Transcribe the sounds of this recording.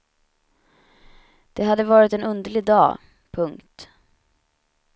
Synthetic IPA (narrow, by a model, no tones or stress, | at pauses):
d̪̥ɛɦad̪ːəvɑːɾɪt̪ɛnɵnd̪əɭɪɡ̚d̪ɑ̰ː | pʰɵŋkt̪